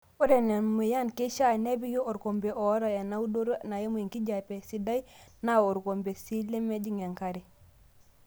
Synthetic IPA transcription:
u˦ɾe˨ne˨nmu˨ja˦nke˦ʃa˦jne˦bi˦jo˦ʔo˨ɾko˨mbe˨ʔo˨˦ɾa˨ja˨na˦u˦do˦ɾna˨je˦mu˦i˨ŋki˦ɟa˨pe˨si˨da˦jna˦o˨ɾko˨mbe˨si˦le˦me˦d͡ʒi˦ŋe˨ŋka˨ɾi˨

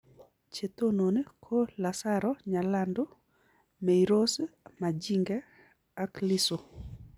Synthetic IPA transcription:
t͡ʃe˨t̪o˦no˨ne˦kʰo˦la˨saɾɔɲa˨lando˦ | me˨iɾo˦sma˨d͡ʒi˦ŋɡɛ˦ | a˦klɪso

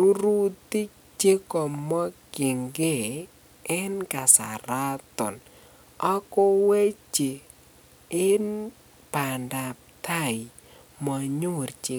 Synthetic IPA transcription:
tu˦ɾu˦ti˦k̚ | t͡ʃe˦kɔ˨mɔ˦kɪ˨ŋɡe˦˨ | ɛ˦nka˨sa̰˨ɾa˦t̪ɔ̰˨n | ɔ˦kɔ˦we˦t͡ʃe˨ | ɪ˦n | pa˨nda˨pta˦ɪ˨ | mɔ˨ɲu˦˨ɾt͡ʃi˨

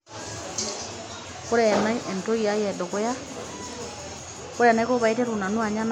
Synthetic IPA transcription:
ko˦ɾɛ˨na˦ɛ˨nto˦i˦a˦jɛ˨do˨ko˦ja˦ | ko˦ɾɛ˨na˦ko˦βa˨i˦tɛ˦tu˨na˨nu˦a˨ɲa˦n

